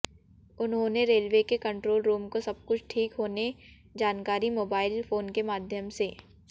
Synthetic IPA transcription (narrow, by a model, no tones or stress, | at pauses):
ʊnɦõːneɾeːlʋekekɐ̃ɳʈɾoːlɾuːmkosɐb̚kʊt͡ʃʰʈʰiːkɦoːne | d͡ʒaːnkaːɾimoːbaːɪlfʰoːnkemaːd̪ʱjəmseː